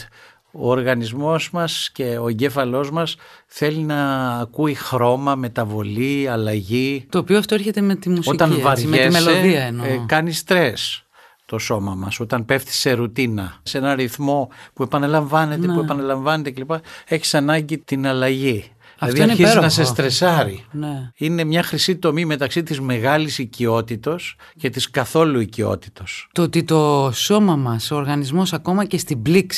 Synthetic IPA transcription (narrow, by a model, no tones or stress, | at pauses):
o̞ːɾɣɐnizmo̞zmɐsce̞o̞eɲɟe̞fɐlo̞zmɐsθe̞linɐːkuixɾo̞mɐme̞t̪ɐvo̞liɐlɐʝit̪oːpioɐft̪oeɾçet̪emet̪imusot̪ɐnvɐɾʝmeseloeðiɐenokɐnist̪ɾe̞s | t̪o̞so̞mɐmɐso̞t̪ɐnpe̞fθi̥se̞ɾut̪inɐse̞nɐɾiθmo̞pue̞pɐnɐlɐɱvɐne̞t̪epue̞pɐnɐlɐɱvɐne̞t̪ece̞lipɐe̞çi̥sɐnɐɲɟit̪inɐlɐʝi | ðiɐfɐðtiinizzeɾonɐs̬esst̪ɾe̞sɐɾineine̞mɲɐxɾisit̪o̞mime̞t̪ɐksit̪izme̞ɣɐlisicio̞t̪it̪o̞s | cet̪iskɐθo̞luicio̞̰t̪i̥t̪o̞st̪oot̪it̪o̞so̞mɐmɐsooɾɣɐnizmo̞sɐko̞mɐcest̪ibliks